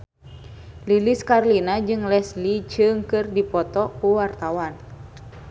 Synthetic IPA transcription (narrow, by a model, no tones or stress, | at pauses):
liliskarlinad͡ʒɨŋlɛslit͡ʃɨŋkɨrdipɔt̪ɔkuwart̪awan